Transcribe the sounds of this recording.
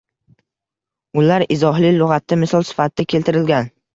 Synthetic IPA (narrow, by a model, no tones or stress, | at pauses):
ʊlaɾɪzɒɦlɪlʊʁɑt̪ːamɪsɒlˠsɪ̥fat̪̚d̪akʲʰe̞lt̪ʰɪɾɪlɡʲan